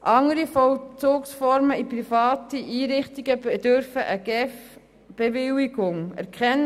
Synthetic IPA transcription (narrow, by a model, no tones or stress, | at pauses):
ʔɑŋəɾifɔwt͡soːksfɔɾməipɾifɑːtiʔiːɾɪχtiɡ̥əed̥øɾfəʔəɡ̥ɛf | b̥evɪwiɡ̥ʊŋɛ̰ɾkχɛnː